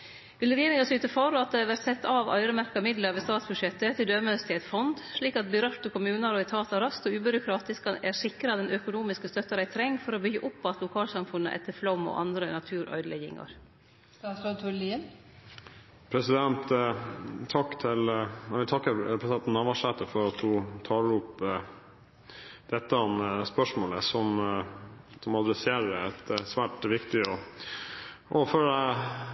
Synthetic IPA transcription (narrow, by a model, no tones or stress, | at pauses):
ʋɪləɾeːnɪŋɑsyːt̪əfɑɾɑt̪̚d̪ɛæɾʋæɾt̪sɛt̪ːɑʋœ̰ʏɾəmæɾkɑmɪd̪ləɾʋeːst̪ɑːt̪sbʉʂjɛt̪ːət̪ʰɪld̪øːməst̪ɪɛt̪fɔnd̪ʂɭiːkɑt̪̚bɪɾœɾt̪əkʰʊmʉːnɑɾɔɪt̪ʰɑːt̪ɑɾɑst̪ɔʉːbʏɾʊkʰɾɑːt̪ɪskɑnæɾsɪkɾɑd̪ɛnʔœkʊnuːmɪskəst̪œt̪ːəɾæɪt̪ʰɾɛŋfɔɾɔbʏɡːəʔʊpːɔɑt̪lʊkʰɑːlsɑmfʉnːə̰ʔɛ̰t̪ːəflɔmːɔ̰ʔɑ̰nd̪ɾənɑt̪ʰʉːɾʔœ̰ʏd̪əlɛ̰ɡɪ̰ŋɑ̰ɾ | ɑsɔt̪ʰʊlin | pʰɾɛsɪd̪ɛnt̪ | t̪ʰɑkːt̪ʰɪlæɪʋɪlt̪ʰɑkːəpʰɾɛsɪd̪ɛnt̪nɑʋɑʂɛt̪ːəfɔɾɑt̪dʉt̪ʰɑːləɾʊp | d̪̥ɛt̪ːəɑnəspœʂmoːləsɔm | sɔmɑd̪ɾɛseːɾəæt̪sʋæːʈʋɪkt̪ɪɔ | ʔɔføːlæɪ